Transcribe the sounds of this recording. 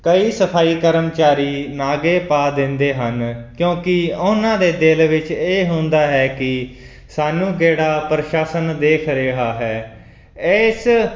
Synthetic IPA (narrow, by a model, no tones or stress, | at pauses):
kəiːsəpʰaːiːkəɾəmt͡ʃaːɾiːnaːɡeːpaːd̪ɪ̃nd̪eːɦənkjõːkɪʊnãːd̪eːd̪ɪlʋɪt͡ʃeːɦʊ̃nd̪aːɦɛːkɪ | saːnũːkeːɽaːpɾəʃaːsənd̪eːkʰɾeːɦaːɦɛː | ɪs